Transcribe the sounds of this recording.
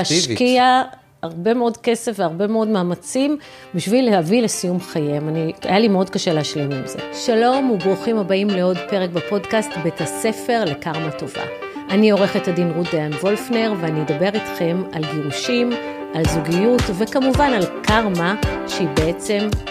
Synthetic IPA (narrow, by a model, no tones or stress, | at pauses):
aʃkia | aʁbe̞meo̞dke̞se̞fveaʁbe̞meo̞dmaːmat͡sim | biʃvilehavilesijumχajemania̰jalimeo̞dkaʃe̞leaʃlemimze̞̰ʃalo̞mubʁuχimhabaimleo̞dpe̞ʁek̚bapo̞dkastbetase̞fe̞ʁle̞kaʁmato̞va̰ | ʔanio̞ʁe̞χethadinʁudeanvo̞lfneʁveanijed̪abe̞ʁitχe̞malɡiʁuʃim | ʔalzuɡijutve̞kamuvanalkaʁmaʃeibeet͡se̞m